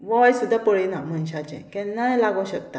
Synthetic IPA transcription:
ʋɔjsud̪ʱːapəɭenam̤ənɕat͡ɕɛ̰̃kɛ̃nːajlaɡõɕək̚t̪a

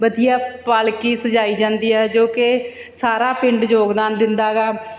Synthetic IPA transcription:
bəd̪ijaːpaːlkiːsəd͡ʒaːiːd͡ʒãːnd̪iːɛːd͡ʒoːkɪ | saːɾaːpɪɳɖd͡ʒoːɡd̪aːnd̪ɪnd̪aːɡaː

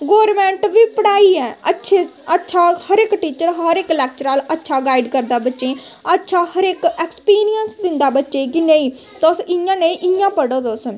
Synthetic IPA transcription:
ɡoːɾmɛ̃ːɳʈʋiːpəɽaːiːɛːətːʃʰeːətːʃʰaːhəɾekʈiːt͡ʃəɾɦəɾɪklɛːk̚t͡ʃəɾaːlətːʃʰaːɡaːiɖkəɾd̪aːbətːʃẽː | ətːʃʰaːhəɾɪkɛːkspiːɾijənsd̪ɪnd̪aːbətːʃeːkɪnəĩː | t̪ːʊsɪjãːneʔɪjãːpəɽoːd̪oːsən

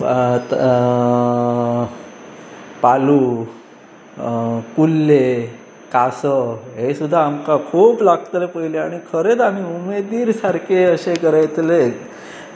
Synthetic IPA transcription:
palu | kulːe | kasəɦesud̪ʱːaːmkakʰuːplaɡt̪lepəileaɽ̃ikʰəɾet̪amiumed̪iːɾsaɾkʰeəɕekəɾajt̪le

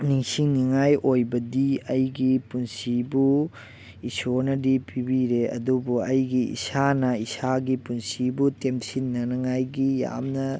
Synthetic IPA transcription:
niŋsiŋniŋajʔojbɐdiɐjɡipunsibu | isonɐdipibiɾeɐ̰dubuɐjɡiḭsanɐisaɡipunsibutemsinːɐnɐŋajɡija̰mnɐ

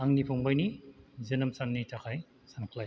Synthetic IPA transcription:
aŋnipʰuŋbajnizɐnɐmsaŋnitakʰaj | sankʰlaj

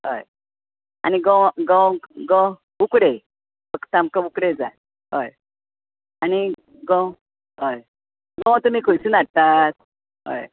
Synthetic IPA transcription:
ɦə̰j | a̰niɡɔ̃ɡɔ̃wɡɔ̃ | ukɽe | bəkt̪amkəukɽed͡za̰t̪̚ | ɦoj | ani | ɡɔ̃ | ɦoj | ɡɔ̃wt̪um̤ikʰojsuːnaɽt̪at̪̚ | ɦo̰j

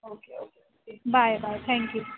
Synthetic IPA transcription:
oːkeokeokebaɪbaɪjt̪ʰɛ̃ŋkju

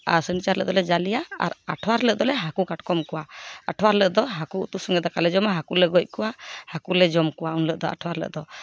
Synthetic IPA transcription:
a̰ɾsənit͡ʃaɾlə̰ʔd̪ɔlɛd͡ʒalijaa̰ɾaʈʰwaɾləʔ̚d̪ɔlɛɦakukaʈkɔmkuwaaʈʰwaɾləʔd̪ɔɦakuut̪usɔŋɛd̪ɔkalɛd͡ʒɔmaɦakulɛɡɔc̚ˀkuwahakulɛd͡ʒɔmkuwaunləʔd̪ɔa̰ʈʰwaɾlə̰ʔd̪ɔ

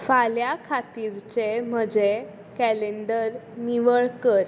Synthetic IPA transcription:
faljakʰat̪iɾt͡sem̤əd͡ʑe | kɛleɳɖəɾniʋəɭkəɾ

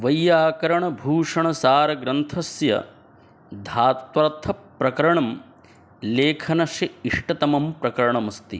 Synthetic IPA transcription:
ʋɐjːaːkɐɾɐɳɐbʱuːʂɐɳɐsaːɾɐɡɾɐnt̪ʰɐsjɐ̰ | d̪ʱaːt̪ʋɐɾt̪ʰɐpːɾɐkɐɾɐɳɐm | leːkʰɐnɐʃjɐiʂʈɐt̪ɐmɐmpɾɐkɐɾɐɳɐmɐst̪ḭ

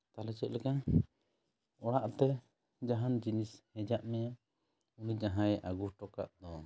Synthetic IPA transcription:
t̪alɛt͡ʃɛt̪̚lɛkan | ɔɽaʔt̪ɛ | d͡ʒaɦand͡ʒinishɛ̃d͡ʒaʔmɛja | unid͡ʒaɦãjɛʔaɡuhʈɔka̰ʔd̪ɔ

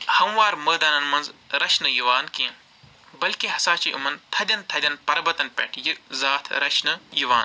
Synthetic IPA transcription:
hɐmʋaːɾməːd̪aːnɐnmɐ̃nzɾɐt͡ʃʰnɨjuʋaːnkiẽ | bɐlkeɦɐsaːt͡ʃiːʔṵmɐnt̪ʰɐd̪ʲɐnt̪ʰɐd̪ʲɐnpɐɾbɐt̪ɐnpɛ̰ːʈʰjɨzaːt̪ʰɾɐt͡ʃʰnɨjuʋaːn

